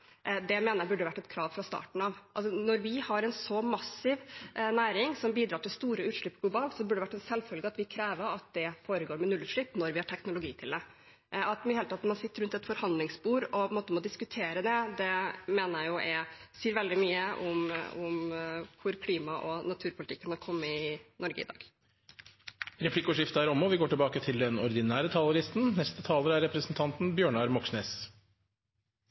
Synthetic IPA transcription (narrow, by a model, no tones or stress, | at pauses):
ʔd̪ɛmeːnəɾjæbʉɖːəʋæʈːɛt̪kʰɾɑːʋfɾɑst̪ɑ̰ːʈɳ̩ɑʋʔɑlsɔnɔɾʋɪhɑɾɛnsɔmɑsɪʋnæːɾɪŋsɔmbiːd̪ɾɑːʈɪlst̪uːɾəʉːt̪ʂɭʏpːɡlʊbɑːlt̪sɔbʉɖəɖɛʋæʈːɛnsɛlfœlɡəɑt̪ʋɪkʰɾeːʋəɾɑt̪̚d̪ɛfoːɾəɡoːɾmɛnʉlːʉt̪ʂɭɪpːnɔɾʋɪhɑʈʰɛknʊlʊɡiːt̪ʰɪld̪ɛ | ɑt̪ɪheːlət̪ʰɑt̪ːnmɑnsɪt̪ːəɾʉnt̪ɛt̪fɔɾhɑnd̪lɪŋsbuːɾɔnmoːt̪əmɔd̪ɪskʉt̪ʰeːɾəd̪ɛd̪ɛmeːnəɾjæɪʊʔɛsiːɾʋɛld̪ɪmyːəʔɔmʊmkʰʊɾkʰliːmɑʔɔnɑt̪ʰʉːɾpʰʊlɪt̪ʰɪkːənɑkʰɔmːəɪnɔɾɡə̰ɪ̰d̪ɑ̰ːɡ̥ | ɾɛpʰlɪkʊʂɪft̪əæɾɔmːɔʋɪɡoːʈɪlbɑːkət̪ʰɪld̪ɛnɔɾd̪ɪnæːɾət̪ʰɑːləlɪst̪n̩nɛst̪ət̪ʰɑːləɾæɾɛpɾəsnt̪ʰɑnt̪n̩bjøːɳɑɾmɔksneːs